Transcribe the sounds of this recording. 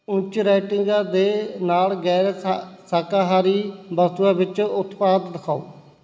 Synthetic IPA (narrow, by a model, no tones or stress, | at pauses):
ʊ̃t͡ʃɾɛːʈɪ̃ŋɡãːd̪eːnaːlɡɛːɾesaːkaːɦaːɾiːbət̪uãːbɪt͡ʃʊt̪paːd̪dəkʰaːo̰ː